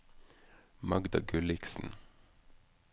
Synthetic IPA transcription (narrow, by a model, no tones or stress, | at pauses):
mɑɡd̪ɑɡʉlɪksn̩